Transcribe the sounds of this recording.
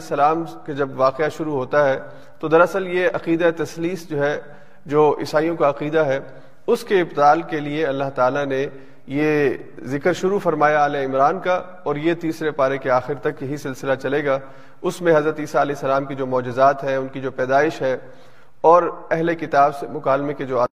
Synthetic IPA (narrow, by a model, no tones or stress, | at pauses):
sɐlaːmked͡ʒɐbʋaːqeaʃʊɾuɦoːt̪aɦɛ | t̪od̪ɐɾɐsəljeɐqiːd̪aet̪ɐsliːsd͡ʒoːɦɛ | d͡ʒoːʔɪ̰saːijõkaɐqiːd̪aɦɛ | ʊskeɪbt̪aːlkelieɐlːaɦt̪aːlane | je | zɪkɾʃʊɾufɐɾmaːjaɐleɪmɾaːnka | ɔːɾjet̪iːsɾepaːɾekeaːxɪɾt̪ɐkjɐɦisɪlsɪlat͡ʃɐleːɡaː | ʊsmẽɦɐzɾət̪iːsaɐlɛːɦsːɐlaːmkid͡ʒoːmɔːd͡ʒɪzaːt̪ɦɛʊnkid͡ʒoːpɛːd̪aːɪʃɦɛ | ɔːɾɛɦlekɪt̪aːbsemʊkaːlmẽked͡ʒoːaː